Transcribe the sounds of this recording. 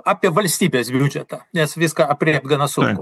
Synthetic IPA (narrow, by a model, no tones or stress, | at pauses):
ɑːpʲiɛʋɐlʲsʲt̪ʲiːbʲeːsbʲud͡ʒʲɛt̪ɑnʲɛsʋʲɪskɑɐpʲrʲiːp̚t̪ɡɐnɐsʊŋkʊ